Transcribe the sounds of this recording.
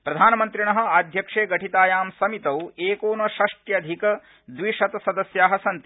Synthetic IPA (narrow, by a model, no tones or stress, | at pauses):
pɾɐd̪ʱaːnɐmɐnt̪ɾiɳɐɦɐ̆aːd̪ʱjɐkʂeːɡɐʈit̪aːjaːmsɐmit̪ɐweːkoːnɐʃɐʂʈjɐd̪ʱikɐ | d̪ʋiʂɐt̪ɐsɐd̪ɐsjaːɦɐsɐnt̪i